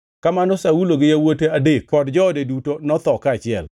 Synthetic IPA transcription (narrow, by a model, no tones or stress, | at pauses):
kamanɔsauloɡɪjawoteadek̚pɔdd͡ʒɔdedutonɔt̪ɔkat͡ʃɪɛl